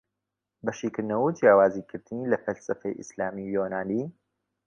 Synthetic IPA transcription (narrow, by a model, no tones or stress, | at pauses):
bɐʃiːkɨɾd̪nɐwud͡ʒjaːwaːziːkʰɨɾd̪ɨnilɐfɐlsɐfɐ̰jʔɨ̰slaːmijoːnaːniː